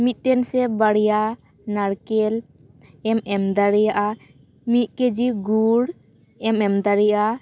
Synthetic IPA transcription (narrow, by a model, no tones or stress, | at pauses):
mit̪̚ʈɛnsɛbaɽja | naɽkɛl | ɛmɛmd̪aɽijaʔa | mit̪̚ˀked͡ʒiɡuɽ | ɛmɛmd̪aɽijʔa